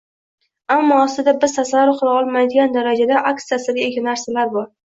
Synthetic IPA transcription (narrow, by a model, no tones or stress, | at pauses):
amːɒːsɪd̪abɪzt̪ʰasaɾʊqʊɾˠɑɒlˠmajd̪ɪɡʲand̪aɾad͡ʒad̪aʔaksjasɪɡʲaeɡʲanaɾsalaɾbɒɾ